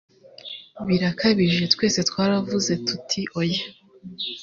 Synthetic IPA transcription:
βiɾakʰaβiʒe̞twe̞ːse̞twaːɾavuze̞tutʰiʔoja

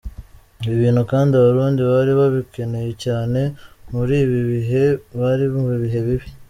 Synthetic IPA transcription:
βiβiːn̥hukaːndiaβaɾuːndiβaɾiβaβike̞ne̞jecaːne̞muɾiːβiβiɦe̞βaɾiβiβiɦe̞βiβi

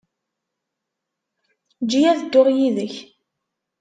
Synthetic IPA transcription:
d͡ʒːijæθəd̪ːʊʁjiðəç

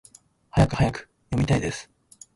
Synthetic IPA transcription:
hajakɯ̟hajakɯ̥ | jo̞mʲit̪aid̪e̞sɨ̥

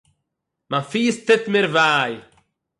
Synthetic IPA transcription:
manfiːst̪ɪtmɪɾvaːj

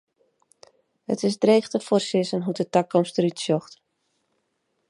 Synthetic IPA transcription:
hə̰tɪsdreːχtəfoːrsɪsənɦudətakɔmstəɾytsjɔxt

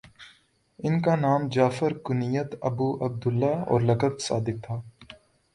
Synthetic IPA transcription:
ɪnkanaːmd͡ʒaːfəɾkʊnijət̪ɐbuːʔɐb̚d̪ʊlːaːɔ̰ːɾlɐkəd̪sa̰ːd̪ɪk̚t̪ʰaː

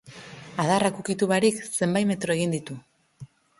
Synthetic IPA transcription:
að̞arakukit̪uβaɾikse̞mbajme̞t̪ɾo̞e̞ɣind̪it̪u

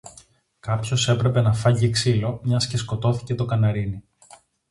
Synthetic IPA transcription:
kɐpço̞se̞pɾe̞pe̞nɐfɐʝieksilo̞mɲɐsce̞sko̞t̪o̞θi̥ce̞t̪o̞kɐnɐɾini

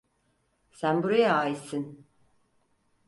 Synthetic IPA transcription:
sænbuɾajaaːjisin

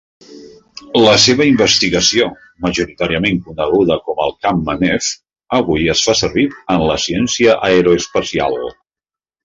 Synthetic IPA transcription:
ləseβəimbəst̪iɣəsio | məʒuɾit̪aɾiəmeŋkunəɣuðəkɔməlˠkamːənɛf | əβujəsfasəɾβiənləsiɛnsiəʔaeɾoespəsia̰lˠ

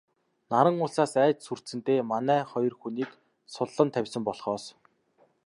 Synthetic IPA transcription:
naɾə̆ŋʊːɮsaːsæːt͡ɕsur̥sɘ̆nt̪eːmanæːχɔjɞ̆rxuniːk | sʊɮːə̆nt̪ʰæwʲsə̆mpɔɮχɔːs

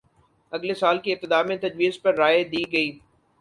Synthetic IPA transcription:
ɐɡlesaːlkiɪp̚t̪ɪd̪aːmẽt̪ɐd͡ʒʋiːzpɐɾːaːed̪iːɡɐiː

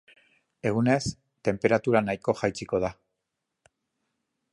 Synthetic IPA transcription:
e̞ɣ̞une̞s | t̪e̞mpe̞ɾat̪uɾanajko̞ʝajt͡siko̞ð̞a

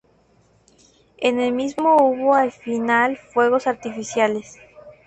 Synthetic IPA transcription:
enelmizmouβoalfinalfwe̞ɣo̞saɾt̪ifisjale̞s

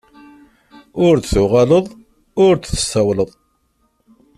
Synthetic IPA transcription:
ʊɾθθuʁaləðˤ | ʊɾt͡sθə̥sæwləðˤ

